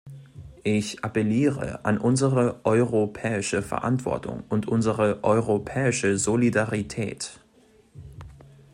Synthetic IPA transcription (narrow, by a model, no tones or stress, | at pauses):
ʔɪçʔapɛliːʁə̰ʔa̰nʔʊnzəʁəʔɔʏʁopʰɛːɪʃəfɛɐʔa̰ntv̥ɔ̰ɐtʰʊ̰ŋʊntʔʊnzəʁəʔɔʏʁopʰɛːɪʃəzolidaʁitʰɛ̰ːt